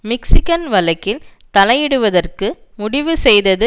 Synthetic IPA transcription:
mɪksɪkɐnʋɐlɐkːɪlt̪ɐlɐjɪɽɯʋɐðɐrkɯmʊɽɪʋɯsɛjðɐðɯ

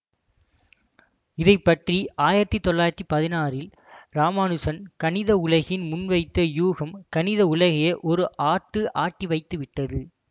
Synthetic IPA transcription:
ɪðɐɪpːɐʈriaːjɪɾɐt̪ːit̪ːɔɭːaːjɪɾɐt̪ːipɐðɪnaːrɪl | ɾaːmaːnɯsɐnkɐnɪðɐʊlɐɣɪnmʊnʋɐɪt̪ːɐjuːɣɐmkɐnɪðɐʊlɐɣɐjɐʔɔɾɯʔaːʈːɯʔaːʈːiʋɐɪt̪ːɯʋɪʈːɐðɯ

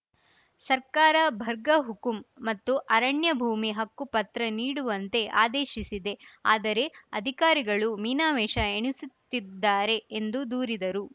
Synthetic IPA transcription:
sɐɾkaːɾɐbʱɐɾɡɐɦukumːɐt̪ːuʔɐɾɐɳjɐbʱuːmiɦɐkːupɐt̪ɾɐniːɽuʋɐnt̪e̞ʔa̰ːd̪eːʃisid̪e̞a̰ːd̪ɐɾe̞ɐd̪ʱikaːɾiɡɐɭumiːnaːʋɛːʃɐeɳisut̪ːid̪ːaːɾe̞ːnd̪ud̪uːɾid̪ɐɾu

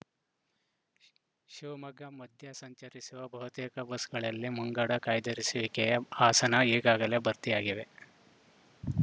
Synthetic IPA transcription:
ʃiʋɐmɐɡʱɐmɐd̪ʱjɐsɐɲt͡ʃɐɾisuʋɐbɐɦut̪eːkɐbɐsɡɐɭɐlːimuŋɡaːɽɐkaːjd̪ɐɾisʋikɛjɐaːsɐnɐiːɡaːɡɐle̞bɐɾt̪ijaːɡiʋe̞

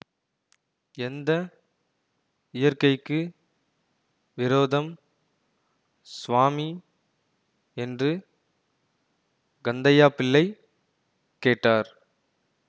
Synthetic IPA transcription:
ɛnd̪ɐ | ɪjɐɾkɐɪkːɯ | ʋɪɾoːðɐm | sʋaːmi | ɛndrɯ | ɡɐnd̪ɐjaːpɪlːɐɪ | kːeːʈːaːɾ

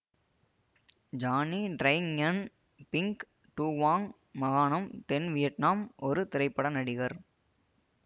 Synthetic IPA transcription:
d͡ʒaːniɖɾɐjŋɐn | pɪŋk | ʈuːʋaːŋ | mɐɣaːɳɐmt̪ɛnʋɪjɐʈnaːmʔɔɾɯt̪ɪɾɐɪpːɐɽɐnɐɽɪɣɐɾ

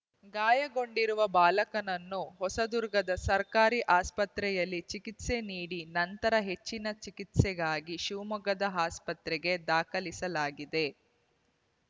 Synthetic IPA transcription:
ɡaːjɐɡo̞ɳɖiɾuʋɐbaːlɐkɐnɐnːuɦɔsɐd̪uɾɡɐd̪ɐsɐɾkaːɾiʔaːspɐt̪ɾɛjɐlːit͡ʃikit̪seniːɽinɐnt̪ɐɾɐɦe̞t͡ʃːinɐt͡ʃikit̪sɛɡaːɡiʃuːmɐɡɐd̪ɐɦaːspɐt̪ɾɛɡe̞d̪aːkɐlisɐlaːɡid̪e̞

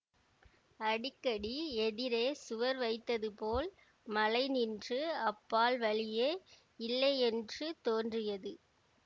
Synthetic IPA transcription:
ɐɽɪkːɐɽiɛðɪɾeːsʊʋɐɾʋɐɪt̪ːɐðɯpoːl | mɐlɐɪnɪndrɯɐpːaːlʋɐɭɪjeː | ɪlːɐɛndrɯt̪oːndrɪjɐðɯ

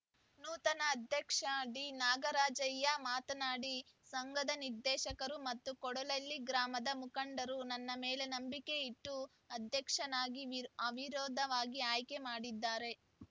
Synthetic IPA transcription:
nuːt̪ɐnɐːd̪ʱjɐkʂɐɖiːnaːɡɐɾaːd͡ʒɐjːɐmaːt̪ɐnaːɽi | sɐŋɡɐd̪ɐniɾd̪ɛːʃɐkɐɾumɐt̪ːukɔɽɐlɐlːiɡɾaːmɐd̪ɐmukɐɳɖɐɾunɐnːɐmeːle̞nɐmbike̞iʈːu | ɐd̪ʱjɐkʂɐnaːɡiɐʋiɾɔːd̪ʱɐʋaːɡiaːjke̞maːɽid̪ːaːɾe̞

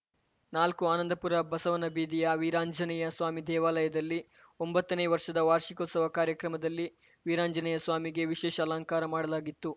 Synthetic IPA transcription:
naːlkuaːnɐnd̪ʱɐpuɾɐbɐsɐʋɐnɐbiːd̪ijɐʋiɾaːɲd͡ʒɐnɐjɐsʋaːmid̪ɛːʋaːlɐjɐd̪ɐlːi | ombɐt̪ːɐneːʋɐɾʂɐd̪ɐʋaːɾʃikot̪sɐʋɐkaːɾjɐkɾɐmɐd̪ɐlːi | ʋiːɾaːɲd͡ʒɐnɐjɐsʋaːmiɡe̞ʋiʃɛːʃɐlaːŋkaːɾɐmaːɽɐlaːɡit̪ːu

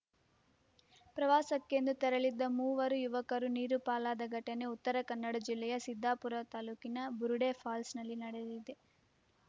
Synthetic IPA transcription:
pɾɐʋaːsɐkːe̞nd̪ut̪ɐɾɐɭid̪ːɐmuːʋɐɾujuʋɐkɐɾuniːɾupaːlaːd̪ɐɡɐʈɐne̞ut̪ːɐɾɐkɐnːɐɽɐd͡ʒilːɛjɐsid̪ʱːaːpuɾɐt̪aːluːkinɐbuɾuɽeːfʰaːlsnɐlːinɐɽed̪id̪e

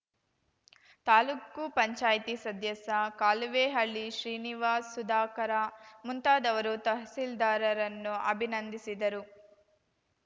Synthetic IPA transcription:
t̪aːluːkupɐɲt͡ʃaːjt̪isɐd̪ʱjɐsɐkaːlʋeːɦɐɭːiʃɾiːniʋaːsːud̪aːkɐɾamunt̪aːd̪ɐʋɐɾut̪ɐɦsild̪aːɾɐɾɐnːuʔɐbʱinɐnd̪isid̪ɐɾu

